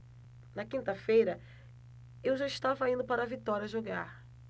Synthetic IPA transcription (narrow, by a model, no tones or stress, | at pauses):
nɐkĩnt̪ɐfejɾɐ | ewʒaiʃt̪avɐĩnd̪ʊpaɾɐvit̪ɔɾiɐʒoɡaɾ